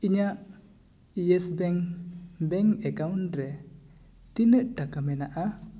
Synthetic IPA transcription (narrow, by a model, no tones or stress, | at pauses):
iɲaʔ | iɛsbɛŋbɛŋɛkawnɾɛ | t̪inəʔʈakamɛnaʔa